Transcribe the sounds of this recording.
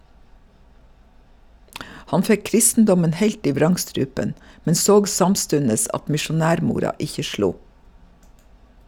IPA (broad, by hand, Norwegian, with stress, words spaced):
ˈhɑn ˈfɛ ˈkɾɪstn̩dɔmən ˈheɪlt ˈiː ˈʋɾɑŋˌstɾʉːpən ˈmɛn ˈsoːɡ ˈsɑmˌstʉnəs ˈɑt mɪʃʊˈnæːɾˌmuːɾɑ ˈɪçə ˈʃluː